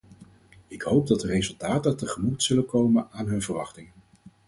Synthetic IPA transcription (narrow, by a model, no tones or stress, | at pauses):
ɪkɦowb̚dɑt̚dərejzɵlˠtaːtətəχəmutsɵləkowmənaːnɦɵnvəɹʋɑχtɪŋ